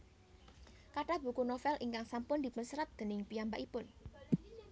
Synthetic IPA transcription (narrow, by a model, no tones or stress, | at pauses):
kaʈab̥ṳkunofɛlʔiŋkaŋsampʊnd̪̥i̤pʊnsəɾat̪̚d̪̥e̤nɪŋpiambaʔipʊn